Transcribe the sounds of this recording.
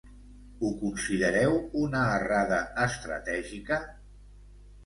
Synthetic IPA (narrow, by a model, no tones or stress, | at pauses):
ukunsiðəɾɛwunəːraðəːst̪ɾə̰t̪ɛʒikə